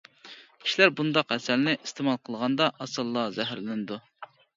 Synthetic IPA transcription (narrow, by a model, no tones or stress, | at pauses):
kʲʰi̥ʃilæɾbund̪ɑqɛsælnɪʔist̪ʰemɑlˠqʰəlˠʁɑnd̪ɑʔɑsɨlˠːɑzɛɦɾlɪnɪd̪u